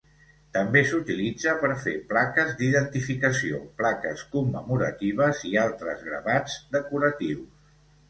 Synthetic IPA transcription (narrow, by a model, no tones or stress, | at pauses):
t̪əmbesut̪ilid͡zəpəɾfeplakəzd̪iðənt̪ifikəsio̰plakə̰skumːəmuɾə̰t̪iβ̞əzialˠt̪ɾə̰zɣɾə̰βad͡zd̪əkuɾət̪iws